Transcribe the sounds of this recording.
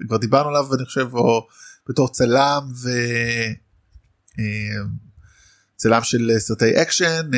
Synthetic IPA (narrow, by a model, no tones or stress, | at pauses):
kvaʁd̪ibaʁnualavaniχo̥ʃevob̥eto̞ʁt͡salamve | em | t͡salamʃelestejʔekʃen